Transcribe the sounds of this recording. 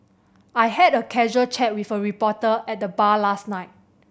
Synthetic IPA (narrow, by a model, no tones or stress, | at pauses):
ajhɛdəkʰɛʒuəlt͡ʃɛt̚wifəɹipɔtəɛt̚dəbalasnaɪt̚